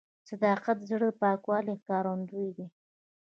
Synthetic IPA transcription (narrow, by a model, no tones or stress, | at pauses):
sad̪ɑqat̪zɽəpɑkwɑlikɑɾand̪ujd̪i